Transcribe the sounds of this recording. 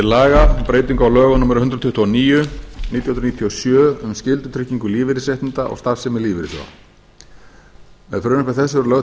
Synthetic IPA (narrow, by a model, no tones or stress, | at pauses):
ɪlaːɣapɾeːjt̪iŋkawlœːɣanumɛɾʏhʏnt̪ɾɔt̪ʰʏht̪ʰuɔniːjʏniːt̪jhnɾniːt̪ʰijɔsjœːʏmscɪlt̪ʏt̪ʰɾɪhcːiŋkʏliːvɪɾɪseht̪ɪnt̪aʔɔ̰ɣst̪afsɛmɪliːvɪɾɪsɔ̰ | mɛ̰ðfɾœːnʏhpɛθɛsːʏɾlœɣ